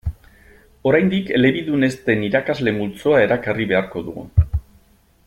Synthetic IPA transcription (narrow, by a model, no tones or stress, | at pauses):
o̞ɾajnd̪ike̞le̞βiðune̞st̪e̞niɾakazle̞mult͡soae̞ɾakariβe̞aɾko̞ðṵɣṵ